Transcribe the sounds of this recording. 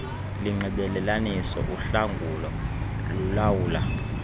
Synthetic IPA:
liŋ͡ǃʱɛɓɛlɛlanisɔ̰ʔuɬaŋɡʱulɔ | lulawuːla

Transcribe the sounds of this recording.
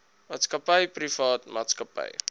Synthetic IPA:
maːtskəpəjprifɑːtma̰ːtskəpə̰j

